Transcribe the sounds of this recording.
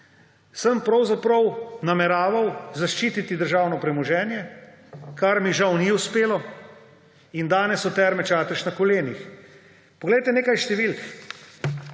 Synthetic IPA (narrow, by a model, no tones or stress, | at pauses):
səmpɾɐwzapɾɐwnamɛɾaːʋawzaʃt͡ʃiːt̪it̪id̪əɾʒaːwnɔpɾɛmɔʒɛːnjɛ | kaɾmiʒawniuspeːlɔ | ind̪aːnɛsɔt̪ɛːɾmɛt͡ʃaːt̪əʃnakɔleːnix | pɔɡlejt̪ɛneːkajʃt̪ɛʋilk